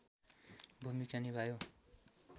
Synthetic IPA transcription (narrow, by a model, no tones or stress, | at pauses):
bʱumikt͡sʌnibʱajo